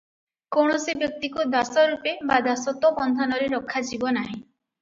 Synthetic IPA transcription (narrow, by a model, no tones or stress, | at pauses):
kowɳ̃ɔsibjɔk̚t̪ikud̪asɔɾupebad̪asɔt̪ɔbɔnd̪ʱanɔɾeɾɔkʰːad͡ʒibɔnaɦĩ